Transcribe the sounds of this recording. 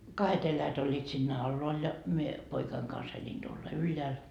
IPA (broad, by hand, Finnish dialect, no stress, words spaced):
kɑhet elæjæt olʲːiːt siːnːæ ɑlːoɑl jɑ mie poikɑiŋ kɑns elʲin tuolːɑ ylːeæl